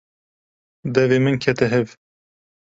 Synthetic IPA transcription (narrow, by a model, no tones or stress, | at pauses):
d̪ɛveːmɨnkʰɛt̪ʰɨɦɛv